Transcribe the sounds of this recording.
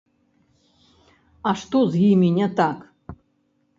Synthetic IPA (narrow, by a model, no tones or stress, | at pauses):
aʂt̪ozɡimʲinʲat̪ʰak